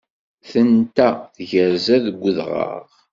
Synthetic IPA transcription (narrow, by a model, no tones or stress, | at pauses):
θənt̪æθʝəɾzæðɡʷəðʁə̰ʁ